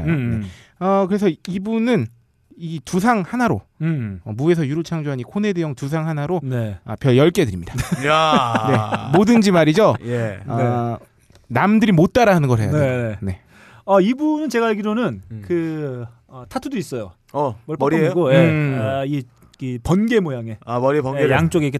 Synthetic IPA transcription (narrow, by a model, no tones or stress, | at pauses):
oeʌkɯɾe̞sʰʌibunɯn | itus̬ʰaŋhanaɾo̰ | ʌmue̞sʰʌjuɾot͡ɕʰaŋd͡ʑoɦaɲikʰone̞dejʌŋtus̬ʰaŋɦanaɾoneʌ̰pjʌɭjʌɭk͈edɯɾimɲid̥a | ne̞modɯnd͡ʑimaɾid͡ʑojeʌ | namdɯɾimot̚t͈aɾaɦanɯnɡʌɾɦe̞janeene̞ | ʌibunɯnt͡ɕe̞ɡaiɭɡiɾonɯnkɯ | ʌtʰatʰudois͈ʌjo | ʌmʌɭpmʌɾieoɡojei | kɯpʌnɡe̞mojaŋe̞amʌɾipʌnɡejaŋt͡ɕ͈oɡeɡe